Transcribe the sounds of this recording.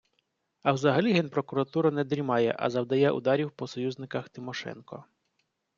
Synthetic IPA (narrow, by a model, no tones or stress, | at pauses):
ɐwzɐɦɐlʲiɦɛnpɾɔkʊɾɐt̪uɾɐnɛd̪ɾʲimɑjɛ̰ʔɐ̰zɐwd̪ɐjɛʔʊ̰d̪ɑɾʲiwpɔsɔjuznɪkɐxt̪ɪmɔʃɛ̰nkɔ̰